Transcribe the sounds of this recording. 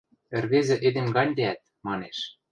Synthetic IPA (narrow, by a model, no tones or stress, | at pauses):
ĕrβezĕʔed̪ĕmɡɑnʲd̪eæt̪̚mɑneʃ